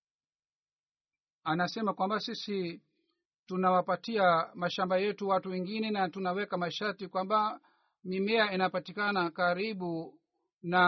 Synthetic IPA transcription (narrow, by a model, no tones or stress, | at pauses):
anasɛmakwambasisi | tunawapatiamaʃambajɛtuwatuwɛŋɡinɛnatunawɛkamaʃaɾtikwamba | mimɛainapatikanakaɾiɓu | na